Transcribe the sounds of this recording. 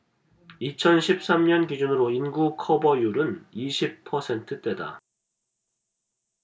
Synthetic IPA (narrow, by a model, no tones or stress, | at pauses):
it͡ɕʰʌnɕʰip̚s͈amɲʌnkid͡ʑunɯɾoinɡukʰʌbʌjuɾɯniɕʰip̚pʰʌsʰe̞ntʰɯt͈e̞da̰